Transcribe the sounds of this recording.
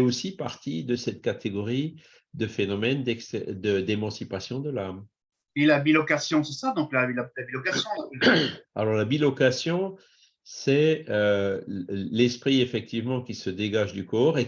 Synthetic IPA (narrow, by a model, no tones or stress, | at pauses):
ɛosipaʁt̪id̪əsɛt̪̚kat̪ʰeɡɔʁi | d̪əfenɔmɛnd̪ɛksɛd̪əd̪emɑ̃sipasjɔ̃d̪əlam | ilabilɔkasjɔ̃sɛsad̪ɔ̃klaalabilɔkasjɔ̃ | a̰lɔʁlabilɔkasjɔ̃ | sɛø | lɛspχiefɛk̚t̪ivmɑ̃kʲisəd̪eɡaʒd̪ykɔʁe